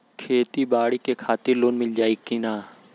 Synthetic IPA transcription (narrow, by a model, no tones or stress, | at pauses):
kʰeːt̪iːbaːɽiːkeːkʰaːt̪ɪɾloːnmɪld͡ʒaːiːkiːnaː